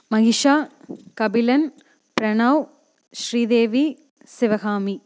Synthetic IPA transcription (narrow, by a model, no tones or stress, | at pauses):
mɐɣɪʂaːkɐbɪlɐn | pɾɐɳɐw | ʃɾiːd̪eːʋi | sɪʋɐɣaːmi